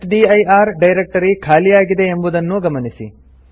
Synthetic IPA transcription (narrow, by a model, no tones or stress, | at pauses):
ʈɖiɐjaːɾɖɐjɾek̚ʈɐɾikʰaːlijaːɡid̪e̞ːmbud̪ɐnːuɡɐmɐnisḭ